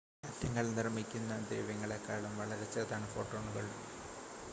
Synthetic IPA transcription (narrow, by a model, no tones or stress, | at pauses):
ɐtjɐŋːɐɭnirmikʲːunːɐd̪eiʋɐŋːɐɭekːaːɭumʋɐɭɐɾet͡ɕːɐðaːɳɨfo̞ːʈːoːɳuɣɐɭum